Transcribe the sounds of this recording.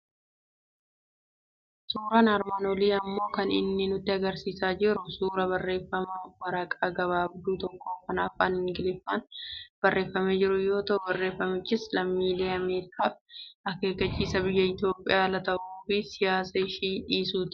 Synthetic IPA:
suːɾɐnɐɾmaːnɔliːɐmːo̞ːkɐnɪ̰nːɪnʊt̪ːɪɐɡɐɾsiːsaːd͡ʒɪɾʊsuːɾɐbɐrːe̞ːfːɐmɐwɐɾɐkʼaːɡɐβaːbd̪uːt̪ɔkːo̞ːkɐnaːfaːnhɪŋɡɪlɪfːaːnb̥ɐrːe̞ːfːɐmeːd͡ʒɪɾʊjo̞ːt̪ɐʔʊbɐrːe̞ːfːɐmɪt͡ʃːɪslɐmːiːle̞ːɐmeːɾɪkʰaːɐke̞ːkːɐt͡ʃːiːsɐbɪjːɐɪt̪jo̞ːpʼɪjaːlɐt̪ɐʔuːfɪsɪjaːsɐɪʃiːᶑiːsuːt̪ɪ̥

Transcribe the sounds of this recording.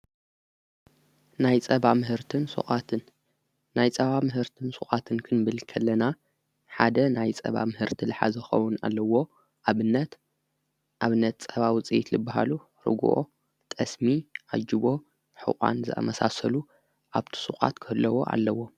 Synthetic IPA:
najt͡sʼɐβamɨɦɨɾt̪ʰɨnsṵxʼat̪ʰɨnː | ajt͡sʼɐβamɨɦɨɾt̪ʰɨnsʼuxʼat̪ʰɨnkʰɨnbɨlkʰɐlːɐna | ħad̪ɐnajt͡sʼɐ̰βa̰mɨhɨɾt̪ʰilɨħa̰zɐxɐ̰wʊna̰lːɐwo̞ | ʔaβɨnːɐt̪ | ʔaβɨnːɐt̪t͡sʼɐβawɨt͡sʼiit̪zɨbːaɦa̰lu | ɾɨ̰ɡṵʔo̰ | t̪ʼɐsmiʔa̰d͡ʒiβo̞ | ħɨ̰kʼa̰nzɨʔɐ̰mɐsasɐlu | ʔaβt̪ʰi̥suxʼa̰t̪kʰɨhɨlːɐwoʔa̰lːɐwːo̞

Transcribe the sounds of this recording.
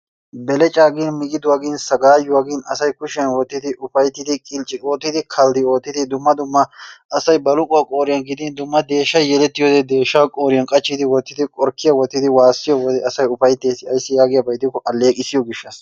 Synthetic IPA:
bɛlɛt͡ʃʼaːɡɪnmɪɡʼɪd̪ʊwaːɡɪnsɐɡaːjʊwaːɡɪnɐ̰sɐjkʊʃɪjɐnwɔt̪ːɪd̪ɪʔʊfɐjt̪ːɪd̪ɪkʼɪlt͡ʃʼɪo̞ːt̪ːɪd̪ɪkʰɐld̪ɪo̞ːt̪ːɪd̪ɪd̪ʊmːɐd̪ʊmːɐɐsɐjbɐlʊkʼʊɐkʼoːɾɪjɐnɡɪd̪ɪnd̪ʊmːɐd̪e̞ːʃːɐjjɛlɛt̪ːɪjoːd̪ɛd̪e̞ːʃːɐwkʼoːɾɪjɐnkʼɐt͡ʃːɪd̪ɪwɔt̪ːɪd̪ɪkʼɔɾkːɪjɐwɔt̪ːɪd̪ɪwaːsːɪjɔwɔd̪ɛʔɐsɐjʊfɐjt̪ːeːsɪɐjsːɪjaːɡɪjɐbɐjt̪ːɪkːɔʔɐlːeːkʼɪsɪjɔɡɪʃːɐs

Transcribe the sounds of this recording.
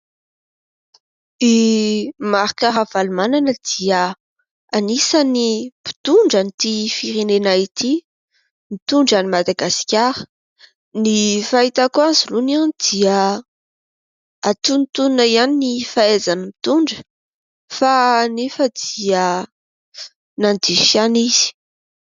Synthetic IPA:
i | maɾikaɾav̥alumananəd̪̥iə | anisanipi̥t̪uɳɖ͡ʐanit̪ifiɾenenait̪i | mit̪uɳɖ͡ʐanimad̪aɡasi̥kʲaɾə̥ | nifait̪akuanzulunianid̪̥iə | at̪unit̪unaianinifaezanəmit̪uɳɖ͡ʐə̥ | fanefəd̪̥iə | nand̪iʃaniz̥i̥

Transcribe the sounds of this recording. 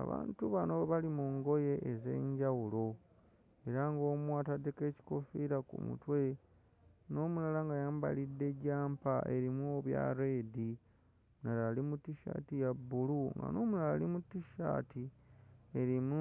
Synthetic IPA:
a̰βa̰ːntuβano̞βalimuŋɡo̞je̞ʔːze̞̰ːɲɟawulo̞ | e̞ɾaŋɡo̞ːmwaːtadeke̞ːci̥ko̞fiɾakṵmṵtwe̞ | no̞ːmulalaŋɡajaːmba̰lidːe̞ɟaːmpaʔeɾimoβja̰ɾeːdi | naɾalimutːiʃa̰ːtijabːuluŋɡa̰no̞ːmulalalimutːiʃa̰ːtʰi | eɾimu

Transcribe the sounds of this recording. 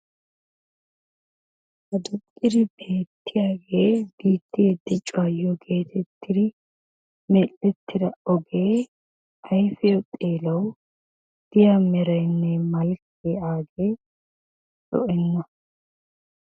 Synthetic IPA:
hɐd̪ʊkʼːɪd̪ɪbe̞ːt̪ːɪjaːɡe̞ːb̥iːt̪ːɪjɛd̪ːɪt͡ʃʼwaːjːɔɡʰe̞ːt̪ʰɛt̪ʰːɪd̪ɪ | mɛlːɛt̪ːɪd̪ɐɔɡe̞ː | ɐjfɛot̪ʼeːlɐw | d̪̥ɪjaːmɛɾɐjnːɛmɐlkː | eaːɡe̞ː | sɔ̰ʔɛnːɐ

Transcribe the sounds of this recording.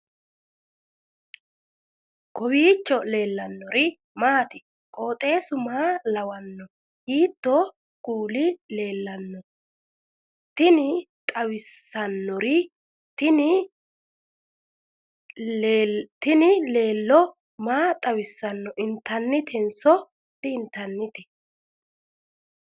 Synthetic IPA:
kɔwiːt͡ʃːɔle̞ːlːɐnːɔɾɪ | maːt̪ɪ̥ | kʼo̞ːt̪ʼe̞ːsʊmaːlɐwɐnːɔ | hiːt̪ːɔ | ɡ̥uːlɪle̞ːlːɐnːɔ | t̪ɪnɪt̪ʼɐwɪsːɐnːɔɾɪ | t̪ɪnɪ | t̪ɪnɪle̞ːlːɔ | maːt̪ʼɐwɪsːɐnːɔʔɪnt̪ːɐnːɪt̪ɛnsɔ | d̪̥ɪːnt̪ːɐnːɪt̪ɛ̥

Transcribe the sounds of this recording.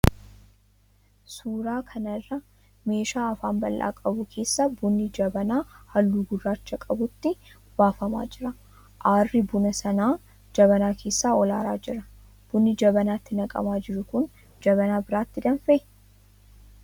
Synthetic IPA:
suːɾaːkʰɐnɐrːɐ | me̞ːʃaːɐfaːnbɐlːʔa̰ːkʼɐbʊkʰe̞ːsːɐbʊnːɪd͡ʒɐbɐnaːhɐlːuːɡʊrːaːt͡ʃːɐkʼɐbʊt̪ːɪ | baːfɐma̰ːd͡ʒɪɾɐ | ʔaːrːɪbʊnɐsɐnaː | d͡ʒɐβɐnaːkʰe̞ːsːaːɔlaːɾaːd͡ʒɪɾɐ | b̥ʊnːɪd͡ʒɐbɐnaːt̪ːɪnɐkʼɐ̰maːd͡ʒɪɾʊkʊn | d͡ʒɐbɐnaːbɪɾaːt̪ːɪd̪ɐnfɐʔɪ

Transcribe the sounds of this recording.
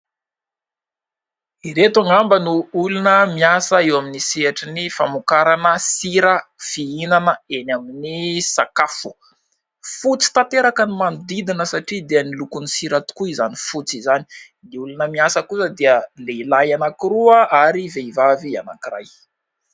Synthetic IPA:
iɾet̪aŋambənuulunəmiasəewaminiseaʈ͡ʂinifamukaɾanəsiɾəfiinanəenaminisakafu̥ | fut͡si̥t̪ant̪eɾakənimanud̪id̪inəsaʈ͡ʂid̪eənilukunisiɾat̪u̥kuizanifut͡sizani̥ | niulunəmiasəkusəd̪iəleilajanakiɾuəʔaɾiveivavia̰na̰kira̰j

